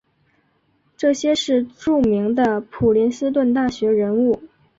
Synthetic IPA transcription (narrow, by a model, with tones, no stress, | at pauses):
ʈ͡ʂɤ˥˩ɕjɛ˥ʂɻ̩˥˧ʈ͡ʂu˥˩mi˧˥ŋd̪ə˧pʰu˨˩li˧˥nsɹ̩˥t̪̬wə˥˧nt̪a˥˩ɕɥɛ˧˥ɻə˧˥nu˥˩